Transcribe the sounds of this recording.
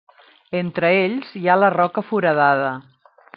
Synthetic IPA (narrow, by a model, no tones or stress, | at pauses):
ent̪ɾəeʎzjalərɔkəfuɾəð̞að̞ə